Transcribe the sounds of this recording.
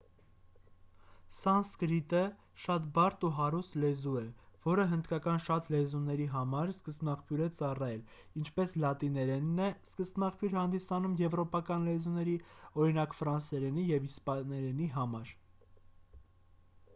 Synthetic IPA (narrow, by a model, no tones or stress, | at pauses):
sɑnskɾit̪ə | ʃɑt̪bɑɾt̪uɦɑɾust̪lɛzuɛvɔɾəɦənd̪kɑkɑnʃɑt̪lɛzunɛɾiɦɑmɑɾskəsnɑχpʰjuɾɛt͡sɑrɑjɛl | int͡ʃʰpɛslɑt̪inɛɾɛnːɛskəsnɑχpʰjuɾhɑnd̪isɑnumjɛvɾɔpɑkɑnlɛzunɛɾiɔɾinɑkfɾɑnsɛɾɛnijɛvispɑnɛɾɛniɦɑmɑɾ